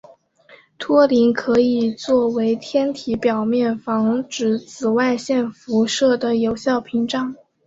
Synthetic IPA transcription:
t̪ʰwɔ˥li˧˥nkʰɤ˧˥i˨˩t͡swɔ˥˩we˧˥ɪt̪ʰjɛ˥nt̪ʰi˧˥pjɑ˨˩ʊmjɛ˥˩nfɑ˧˥ŋʈ͡ʂɻ̩˨˩t͡sʰɹ̩˨˩wa˥˧ɪɕjɛ˥˩nfu˧˥ʂɤ˥˩d̪ə˩jo˧˥ʊɕjɑ˥˩ʊpʰi˧˥ŋʈ͡ʂɑ˨˩˦ŋ

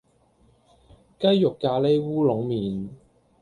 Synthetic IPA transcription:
kɐ˥jjʊ˨˩kːaː˧le˥jwuː˥lʊ˨˥ŋmiː˨n

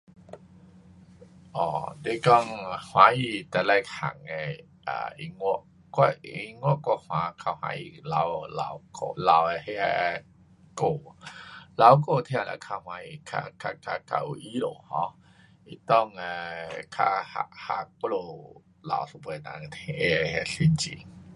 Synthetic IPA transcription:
ʔɔ˨de˧˦kɔ˥˧˨ŋhw̃ã˨˦i˧t̪ɛ˨˧˨la˧jkʰa̰˨ŋɛ˧ | a̰˨˩ḭ˧ŋu˦ʔ | kwa˧i˧ŋwɔ˧˦˨ʔkɔ˧hw̃ã˨˧˦kʰa˧˩hwã̰˧˦ḭ˧˨la˨˦wla̰˧wko̰˧˨la˨˧we˧he˧˦ɛ˧ | ko˧˨ | la˨˧˦wko˧˨t̪ʰj̃ã˧˨la̰˧˨kʰa˧hwã˧˦ji˧˨kʰa̰˧kʰa˧ka˧ka̰˧˨ʔṵ˧˨ʔi˦lo̰˨hɔ̃˧˦ | i˧˨t̪ɔ˦˨ŋɛ˧kʰa˧ha̰˧ha˧ko˦lo˧˨ | la̰˨˧˨wso˧bə˨nã̰˨ŋ˨t̪ʰi˧ʔe˧˨hɛ˧ɬi˧˨nt͡ɕḭ˨

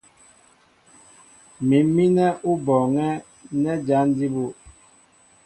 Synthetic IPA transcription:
mi˨mi˦nɛ˦ʔu˦bɔ˨ŋɛ˦ | nɛ˦d͡ʒa˦n˦di˦bu˦

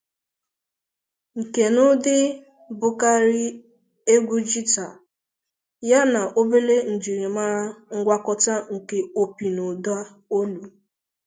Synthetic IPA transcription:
ŋ̩˨ke˨nʊ˦dɪ˦ | bʊ˦ka˦ɾi˦ | e˦ɡʷu˦d͡ʒi˦ta˨ | ja˦na˨ʔo˦be˦le˦n̩˨d͡ʒi˨ɾi˨ma˦ɾa˦ŋ̩˦ɡʷa˦kɔ˦ta˦ŋ̩˨ke˨o˨pi˨no˨do˦a˦ | o˦lu˨

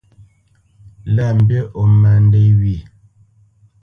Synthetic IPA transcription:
lɛ˦˨m̩˨bje˦ʔo˨mɛ˨n˦de˦wi˨

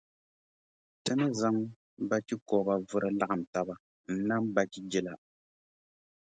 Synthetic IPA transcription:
tɨ˦nɨ˦za˦ŋ | ba˦ti˦kɔ˨ba˨vʊ˦ɾʔa˦la˦ʔa˨m˨ta˦ba˦ | n̩˦na˦mba˨˦ki˦d͡ʒɪ˦la˨

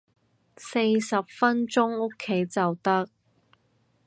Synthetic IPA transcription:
se˧jsɐ˨p̚fɐ˥nt͡sʊ˥ŋʊ˥kʰːe˨˥jt͡sɐ˨wt̪ɐ˥k̚

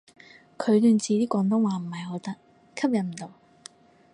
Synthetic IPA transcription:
kʰɵ˨˧ɥlyː˧nt͡siː˨˧t̪iː˥kʷɔː˨˥ŋt̪o˥ŋwaː˨m̩˨˩hɐ˨jɦo˨˥wt̪ɐ˥k̚ | kʰɐ˥p̚jɐ˨n̚m̩˨˩t̪o˨˧w

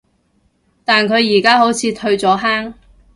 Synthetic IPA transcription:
t̪aː˨nkʰɵ˨˧ɥjiː˨˩kaː˥ɦo˨˥wt͡sʰiː˨˧t̪ʰɵ˧ɥt͡sɔː˨˥ɦaː˥ŋ

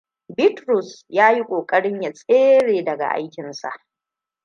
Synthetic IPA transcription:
bɪ˦tɾʊ˨sjaː˦ji˦kʷʼoː˨kʼɐ˦ɽɪ˦ɲja˨sʼeː˦ɽeː˨dɐ˨ɡa̰˨ʔa̰˦jkʲɪ˨nsa̰˨ʔ

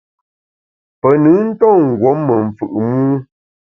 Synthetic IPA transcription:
pə˨nɨ˨˦n̩˦tɔ˦˨ŋ̩˨ɡwɔ˨˦mːə˨ɱ˨fɯ˨ʔmu˦

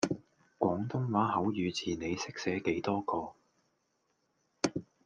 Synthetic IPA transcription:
kʷɔː˨˥ŋt̪ʊ˥ŋwaː˨˥ɦɐ˨˥wjyː˨˧t͡sʰiː˨ne˨˧jsɪ˥k̚sɛː˨˥ke˨˥jt̪ɔː˥kɔː˧

